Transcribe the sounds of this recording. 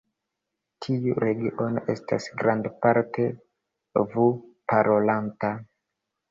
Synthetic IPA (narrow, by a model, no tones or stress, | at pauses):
tʰiuɾe̞ɡiʔo̞nʔe̞sta̰sɡɾandpaɾtʰe̞ | vupaɾʔolanta